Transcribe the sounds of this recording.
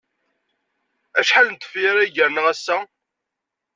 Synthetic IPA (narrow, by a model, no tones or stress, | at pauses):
æʃħalnt̪ːə̥fiɾæʝəɾnəʁæsːæ